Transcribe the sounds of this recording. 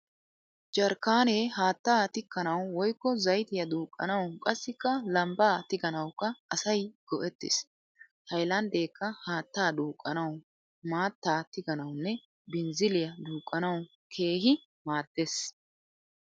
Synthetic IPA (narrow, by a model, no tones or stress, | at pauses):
d͡ʒɐɾkaːneːɦaːt̪ːaːt̪ɪkːɐnɐwwɔjkːɔzɐjt̪ɪjɐd̪uːkʼːɐ̰nɐwkʼɐsːɪkːɐlɐmbaːt̪ɪɡɐnɐwkːɐʔɐsɐjɡ̥ɔʔɛt̪ːɪ̰s | hɐjlɐnd̪eːkʰːɐhaːt̪ːaːd̪uːkʼːɐnɐw | maːt̪ːaːt̪ɪɡɐnɐwnːɛ | bɪnzɪlɪjɐd̪uːkʼːɐnɐw | kʰe̞ːɦɪ | maːd̪̥ːes